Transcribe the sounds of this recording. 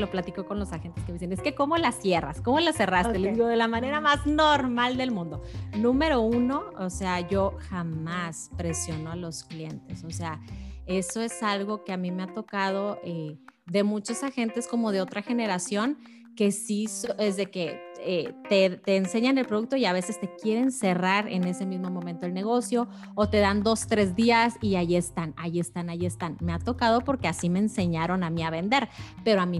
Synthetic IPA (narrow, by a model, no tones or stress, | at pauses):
lo̞plat̪iko̞ko̞nlo̞saxe̞nt̪eskemisene̞ske̞ko̞mo̞lasje̞ra̰sko̞mo̞lase̞rast̪e̞lezðiɣo̞ðe̞lamãne̞ɾamaznoɾmald̪e̞lmũnd̪onũme̞ɾo̞uno̞ːse̞aʝo̞xammaspɾe̞sjo̞no̞alo̞sklje̞nt̪e̞so̞se̞ae̞so̞e̞salɣo̞ke̞amĩme̞at̪o̞kað̞o̞ʔeðe̞mut͡ʃosaxe̞nt̪e̞sko̞mo̞ð̞e̞o̞t̪ɾaxe̞ne̞ɾasjo̞ŋ | ke̞sisoezðe̞ke̞et̪et̪eːnse̞ɲane̞lpɾo̞ðuk̚t̪o̞iaβ̞e̞se̞st̪e̞kje̞ɾe̞nse̞raɾe̞̰ne̞se̞mizmo̞mõmẽnt̪o̞elne̞ɣ̞o̞sjo̞ː | t̪e̞ðand̪o̞st̪ɾe̞zðiasiaʝie̞st̪anaʝie̞st̪anaʝie̞st̪anme̞at̪o̞kað̞o̞po̞ɾke̞asime̞ːnse̞ɲaɾo̞namiaβ̞e̞nd̪e̞ɾpe̞ɾo̞amĩ